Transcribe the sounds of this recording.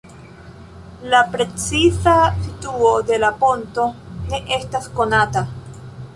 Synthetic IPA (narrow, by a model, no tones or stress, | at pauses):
lapɾe̞t͡sisasituod̪e̞laponto̞ne̞ʔestasko̞nata